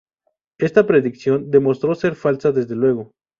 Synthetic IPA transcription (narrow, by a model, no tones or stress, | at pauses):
e̞st̪apɾe̞ðiksjo̞nd̪e̞mo̞st̪ɾo̞se̞ɾfalsaðe̞zðe̞lwe̞ɣ̞o̞